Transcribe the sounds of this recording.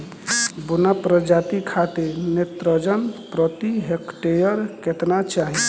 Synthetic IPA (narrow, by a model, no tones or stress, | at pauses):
bunapɾəd͡ʒat̪ikʰat̪enet̪ɾəd͡ʒənpɾət̪iɦekʈejəɾket̪nat͡ʃaɦi